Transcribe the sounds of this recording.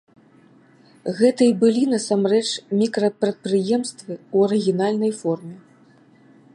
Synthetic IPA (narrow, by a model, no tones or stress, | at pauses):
ɣɛt̪ɨibɨlʲin̪ɐsamrɛt͡ʂmʲikɾɐpɾɐt̪̚pɾɨjɛmst̪vɨwɐɾɨɣʲin̪alʲnɐjfɔrmʲɛ